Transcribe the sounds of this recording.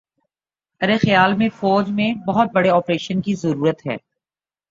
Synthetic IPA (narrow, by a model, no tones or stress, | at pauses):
ɐɾexɐjaːlmẽfɔːd͡ʒmẽbɐɦʊt̪̚bɐɽeɔːpɾeːʃənkizɐɾuːɾət̪ɦɛ̰ː